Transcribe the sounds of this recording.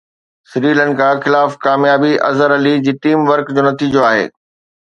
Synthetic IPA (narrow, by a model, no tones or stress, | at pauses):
sɪɾiːlənɪ̆kʰãxɪlaːfkaːmjaːbiʔɐ̰zəɾɐlid͡ʑiːʈiːmʋɐɾkd͡ʑoːnɐt̪iːd͡ʑoaːɦḛː